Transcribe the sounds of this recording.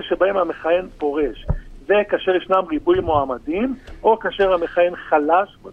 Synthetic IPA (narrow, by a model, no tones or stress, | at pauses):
ʃebaemhameχaje̞npo̞ʁeʃvekaːʃe̞ʁjeʃnamʁibujmoamadimʔo̞kaːʃe̞ʁhame̞χaje̞nχalaʃb